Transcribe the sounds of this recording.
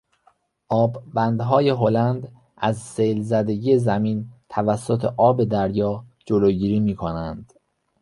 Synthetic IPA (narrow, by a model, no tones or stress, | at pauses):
ʔɒːbbænd̪ɦɒːje̞ɦolænd̪ | ʔæzsejlzæd̪e̞ɟiezæmiːnt̪ʰævæsːot̪ʰe̞ʔɒːbe̞d̪æɾjɒːd͡ʒoloːɟiːɾiːmiːkʰonænd̪̥